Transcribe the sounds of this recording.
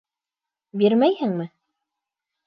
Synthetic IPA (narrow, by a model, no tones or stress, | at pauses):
biɾmæjhɘŋmɘ